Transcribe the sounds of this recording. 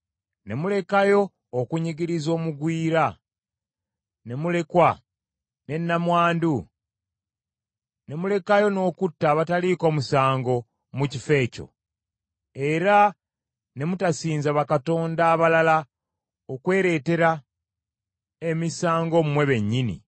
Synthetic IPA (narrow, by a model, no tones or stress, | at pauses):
ne̞mule̞kajo̞ː | kuɲiɡiɾizo̞ːmuɡwiːɾa | ne̞mule̞kwa | ne̞nːamwaːndu | ne̞mule̞kajo̞no̞ːkutːaːβataliko̞ːmusaːŋɡo̞ | mucife̞ːco̞̰ | e̞ɾa | ne̞mutasiːnzaβakato̞ːndaːβalala | okwe̞ːɾe̞ːte̞ɾa | e̞misaːŋɡo̞mumwe̞βe̞ɲːinḭ